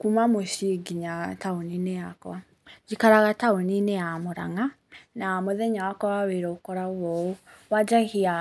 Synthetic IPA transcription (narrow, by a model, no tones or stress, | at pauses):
kumamoʃiɡiɲataonineakɔwa | d͡ʒikaɾaɣataonineamoɾa̰ŋa | namoðɛɲawakɔwaweɾɔokɔɾaɔo | wad͡ʒaɣia